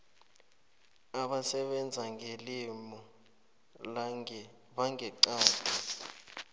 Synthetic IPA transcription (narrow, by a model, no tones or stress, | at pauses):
aɓasɛɓɛnd͡zʱaŋʱelimɔ | ɓaŋɛǀaːtɔ